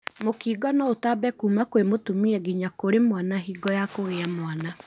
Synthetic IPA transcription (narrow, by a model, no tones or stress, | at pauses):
mokiːɡɔnɔotabɛkuːmakwemotumiɛɡiɲakoɾemwanaɦiːɡɔjakoɣeamwana